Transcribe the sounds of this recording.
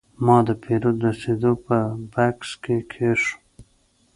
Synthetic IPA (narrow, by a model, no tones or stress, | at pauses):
mɑd̪əpʰeɾod̪ased̪opəbakskekʰeʃu̥